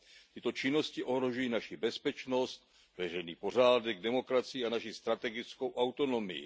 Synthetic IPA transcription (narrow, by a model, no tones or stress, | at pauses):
t̪ɪt̪o̞t͡ʃɪno̞scɪʔo̞ɦɾo̞ʒujiːnaʃɪbɛspɛt͡ʃno̞st̪̚ | vɛrɛjniːpo̞r̝aːdɛɡ̚dɛmo̞kɾat͡sɪjiːanaʃist̪ɾat̪ɛɡɪt͡sko̞wʔawt̪o̞no̞mɪ̰jɪ̰